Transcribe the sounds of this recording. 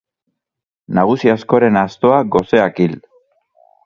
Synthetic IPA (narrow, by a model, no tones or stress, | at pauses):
naɣ̞usiasko̞ɾe̞nast̪o̞aɡo̞se̞akil